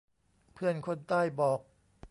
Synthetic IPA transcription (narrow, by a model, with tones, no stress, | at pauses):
pʰɯ˥˩ənkʰo˧˥˨nt̪aː˥˩jbɔː˨˩k̚